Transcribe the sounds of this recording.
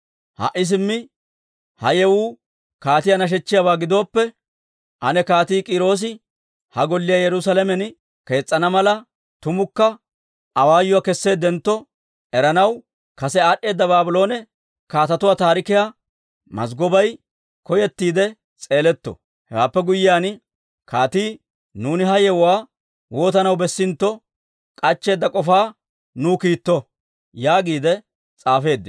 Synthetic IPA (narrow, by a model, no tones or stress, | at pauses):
ha̰ʔːɪs̬ɪmːɪ | hɐjɛwuː | kaːt̪ɪjanɐʃ̬ɛt͡ʃːɪjabaːɡɪd̪o̞ːpːɛ | ʔɐnɛkaːt̪iːkʼɪɾo̞ːs̬ɪ | hɐɡɔlːɪjajɛɾʊs̬ɐlɛmɛn | ke̞ːt͡sʼːɐnɐmɐlɐ | t̪ʊmʊkːɐ | ʔɐwaːjʊwakɛsːe̞ːd̪ɛnt̪ːɔ | ɛɾɐnɐw | kɐsɛaːɗːe̞ːd̪ːɐbaːbʊlo̞ːnɛ | kaːt̪ɐt̪ʊwaːt̪aːɾɪkɪja | mɐ̰s̬ɡɔbɐj | kɔjɛt̪ːiːd̪ɛ | t͡sʼe̞ːlɛt̪ːɔ̰ | hɛwaːpːɛɡʊjːɪjaːn | kʰaːt̪iː | nuːnɪɦɐjɛwwaː | wo̞ːt̪ɐnɐwbɛsːɪnt̪ːɔ | kʼɐt͡ʃːe̞ːd̪ːɐkʼɔfaː | nuːkiːt̪ːɔ | jaːɡiːd̪ɛ | t͡sʼaːfe̞ːd̪ːɪ